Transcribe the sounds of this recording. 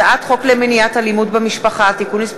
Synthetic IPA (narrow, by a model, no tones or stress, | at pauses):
ʔat̪χo̞klemeniatalimudbamiʃpaχaat̪ikunis